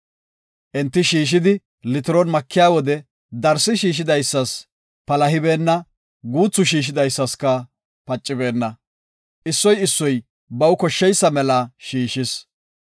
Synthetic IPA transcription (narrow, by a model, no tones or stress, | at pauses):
ʔɛnt̪ːɪʃiːʃ̬ɪd̪ɪ | lɪt̪ɪɾɔnmɐkːɪjaːwɔd̪ɛ | d̪ɐɾsɪʃiːʃ̬ɪd̪ɐjsːɐs | pɐlɐɦɪbe̞ːnːɐ | ɡuːt͡sːʊʃ̬iːʃ̬ɪd̪ɐjsːɐskɐ | pɐt͡ʃʼːɪbe̞ːnːɐ | ʔɪsːɔjɪsːɔj | bɐwkɔʃːɛjsːɐmɛlɐʃiːʃɪs